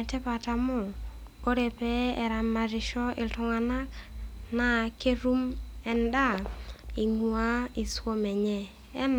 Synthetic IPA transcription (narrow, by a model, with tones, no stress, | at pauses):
tɛ˦pa˨ta˨mʊ˦˨ko˦ɾɛ˨pɛ˦ɛ˨ɾa˨mːa˨ɾɪ˨ʃɔ˦ʔɪ˨ltʊ˨ŋa˨na˦kna˨ke˦ɾu˦mɛ˨nda˦˨i˨ŋu˨a˦i˨swo˦mɛ˨ɲɛ˦˨ | ɛ˦n